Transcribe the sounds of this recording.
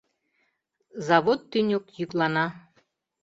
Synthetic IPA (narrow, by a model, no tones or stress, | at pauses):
zɑβot̪ːynʲokjyklˠɑnɑ